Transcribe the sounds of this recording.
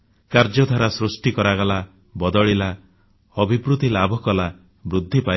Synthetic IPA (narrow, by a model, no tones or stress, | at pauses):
kaɾd͡ʒɔd̪ʱaɾasɾusʈikɔɾaɡala | bɔd̪ɔɭila | ɔbʱipɾut̪ilabʱɔkɔla | bɾud̪ʱːipaj